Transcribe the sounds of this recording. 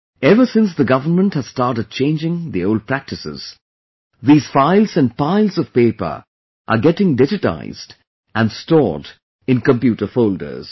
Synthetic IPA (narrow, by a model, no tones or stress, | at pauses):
ɛvəsɪ̃ns̬ðəɡʌvənmə̃nthæz̥stɑːɾʈəd̚t͡ʃẽɪ̃nd͡ʒɪ̃ŋðioʊl̚pʰɹæk̚tɨsɪ̰z̥ | ðiːz̥faɪlzæ̃n̚paɪlˠzɔv̥peɪpə̰˞ | ʔə̰ɡɛʈɪ̃ŋdɪd͡ʒɨta̰ɪzd | ʔæ̃nstɔ̰ːd | ɪ̃nkə̃mpjuːʈə˞foʊldə̰˞z̥